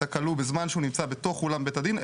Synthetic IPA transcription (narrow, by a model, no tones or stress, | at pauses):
akalubezmanʃeunimt͡sabe̞t̪o̞χulambet̪ad̪in